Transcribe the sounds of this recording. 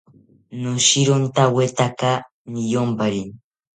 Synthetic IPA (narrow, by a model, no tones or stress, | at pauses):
nuʃiɾont̪awet̪aka | nijombaɾin